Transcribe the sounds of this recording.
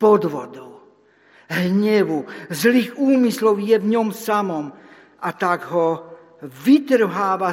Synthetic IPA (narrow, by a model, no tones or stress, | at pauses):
pɔd̪ʋɔd̪ɔʊ | ɦɲɛʋuzliːɣuːmislɔʊjɛvɲɔmsamɔm | ʔat̪aɡɦɔ | ʋit̪r̩ɦaːʋa